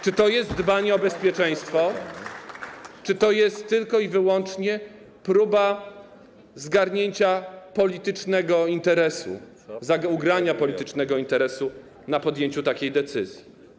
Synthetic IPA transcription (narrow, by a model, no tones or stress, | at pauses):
t͡ʂɘt̪ɔjɛst̪d̪baɲɛɔbɛspʲjɛt͡ʂɛ̃j̃st̪fɔ | t͡ʂɘt̪ɔjɛst̪ːɘlkɔivɘwɔnt͡ʂɲɛ | pɾuba | zɡaɾɲeɲt͡ɕapɔlʲit̪ɘt͡ʂnɛɡɔint̪ɛɾɛsṵ | zauɡɾaɲapɔlʲit̪ɘt͡ʂnɛɡɔint̪ɛɾɛsu | napɔd̪jeɲt͡ɕut̪akʲejd̪ɛt̪sɘzʲji